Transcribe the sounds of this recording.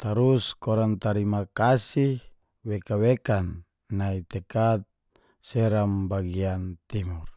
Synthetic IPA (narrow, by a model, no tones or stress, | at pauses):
t̪aɾuskɔɾant̪aɾimakasi | wekawekanː | ait̪ɛkat̪̚ | sɛɾambaɡiant̪imur